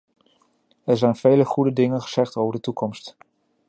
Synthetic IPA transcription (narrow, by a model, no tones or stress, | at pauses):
ɛɹzɛjnvejləχudədɪŋənχəz̥ɛχtowvəɹdətukɔmst